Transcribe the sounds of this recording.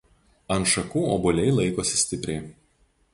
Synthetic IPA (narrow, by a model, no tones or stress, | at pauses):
ɐnt̪ʃɐkuːoːbʊlʲɛɪlˠɐɪkoːsʲɪ̥sʲt̪ʲɪpʲɾʲɛɪ